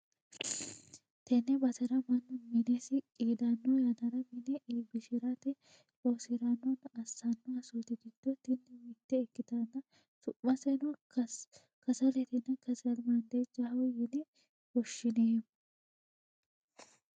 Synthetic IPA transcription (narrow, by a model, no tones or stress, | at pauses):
t̪ɛnɛbɐt̪ɐɾɐmɐnːʊmɪnesɪkʼiːd̪anːɔjɐnɐɾɐmɪnɛʔiːbɪʃɪɾat̪ɛ | oːsɪɾanːɔnɐsːanːɔɐsuːt̪ɪɡɪd̪̥ːɔt̪ɛnːɛmɪt̪ːɛːkːɪt̪anːɐ | sʊmːɐsɛnʊ | kɐsɐlɛt̪ɛnːɐkɐsɐlmɐnd̪ed͡ʒɐhɐwjɛnɛ | wɔʃːɪneː